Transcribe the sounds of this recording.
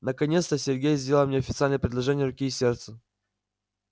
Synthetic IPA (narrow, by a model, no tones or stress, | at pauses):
nəkɐnʲet̪st̪əsʲɪrɡʲejzʲdʲeləlmnʲeɐfʲɪt̪salʲnəjəpɾʲɪd̪lˠɐʐɛnʲɪjəɾʊkʲiːsʲert̪sə